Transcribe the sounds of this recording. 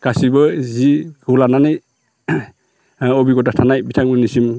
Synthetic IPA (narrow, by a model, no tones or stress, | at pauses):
kasibɯziɡulananɯj | ɔbiɡɔtatʰanajbitʰaŋbɯnisim